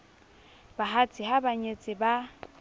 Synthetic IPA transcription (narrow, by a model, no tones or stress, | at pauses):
baɦat͡sʼɪɦabaɲet͡sʼɪba